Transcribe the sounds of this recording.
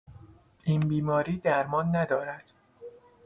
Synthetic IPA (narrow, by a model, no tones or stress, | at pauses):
ʔiːnbiːmɒːɾiːd̪æɾmɒːnːæd̪ɒːɾæd̪̥